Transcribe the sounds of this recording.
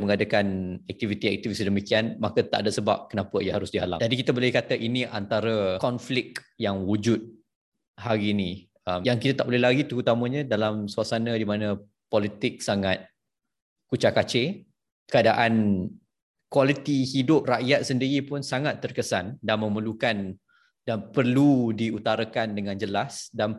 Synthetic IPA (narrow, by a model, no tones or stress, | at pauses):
məŋadakanɛk̚t̪ivit̪iɛk̚t̪ivisidəmikianmakat̪a̰ʔadasəba̰p̚kənapəijaɦaɾʊsdiɦala̰d͡ʒadikit̪abolɛhkat̪aʔiniʔant̪aɾəkɔnflɪk̚ | jaŋwud͡ʒʊt̪̚ | haɾinĩ | əmjaŋkit̪at̪aʔbolɛhlaɡit̪əɣut̪amə̃ɲə̃dalamsuasanə̃dimanə̃ | pɔlit̪ɪk̚saŋat̪̚ | kut͡ʃakat͡ʃe | kəadaʔan | kwalit̪ihidʊp̚raʔjat̪̚səndiɾipʊnsaŋat̪ːərkəsandanmə̃məlukan | danpərludiut̪aɾakandəŋãnd͡ʒəlasdan